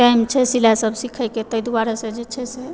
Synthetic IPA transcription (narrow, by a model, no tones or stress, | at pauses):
ʈajmt͡ʃʰɛsilasəbsikʰəjket̪əjd̪uaɾased͡ʒet͡ʃʰɛsɛ